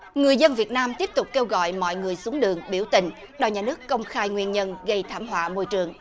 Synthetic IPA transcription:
ŋɨ˨˩əjzə˧nvi˨˩ət̚naː˧mt̪i˦˥əp̚t̪ʊ˨˩k͡p̚kːe˧wɣɔ̰˧˨jmɔ̰˧˨jŋɨ˨˩əjsu˨˦əŋɗɨ̰˨˩əŋɓi˧˩wt̪ï˨˩ŋ̟ | ɗɔ˨˧˩ɲaː˨˩nɨ˦˥əkːə˧wŋ͡mxaː˧jŋwi˧ənɲə˧nɣə˧jt̪ʰaː˧˩mɦwa̰ː˧˨mo˧jt͡ɕɨ˨˩əŋ

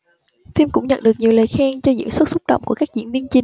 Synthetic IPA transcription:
fi˧mkʊ̰˧˥ŋ͡mɲə̰˧˨nɗək̚ɲi˨˩əwləː˨˩jxaː˧ŋt͡ɕɔ˧zɨ̰˧˥ŋswə˦˥t̚sʊ˦˥k͡p̚ɗə̰˧˨wŋ͡mku˧˩əkaː˦˥k̚zḭ˧˥nvi˧ənt͡ɕi˨˩

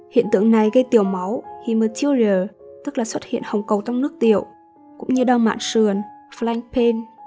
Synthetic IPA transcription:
hḭ˧˨ənt̪ɨ̰˧˨ə˨ŋna˨˩jɣə˧jt̪i˨˧˩əwma˨˦whi˨˩məː˨˩t͡ɕi˧əwləː˨˩t̪ɨ˦˥k̚laː˨˩swə˦˥t̚hḭ˧˨ənhə˨˩wŋ͡mkə˨˩wt͡ɕa˧wŋ͡mnɨ˦˥ək̚t̪i˧˨əw | kʊ̰˧˥ŋ͡mɲɨ˧ɗaː˧wma̰ː˧˨nsɨ˨˩ənfla˧jŋpʰe˧n

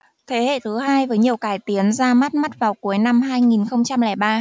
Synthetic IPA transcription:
t̪ʰe˨˦hḛ˧˨t̪ʰɨ˨˦ɦaː˧jvəː˨˦jɲi˨˩əwkaː˨˩jt̪i˨˦ənzaː˧ma˦˥t̚ma˦˥t̚vaː˨˩wku˨˩˦əjna˧mɦaː˧jŋi˨˩nxə˧wŋ͡mt͡ɕa˧mlɛ˧˩ɓaː˧

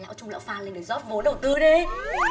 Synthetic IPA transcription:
la̰ː˧˥wt͡ɕʊ˧ŋ͡mlə̰˧˩wfaː˧nle˧nɗjzɔ˦˥p̚ɓo˨˦nɗə˨˩wt̪ɨ˧ɗi˧

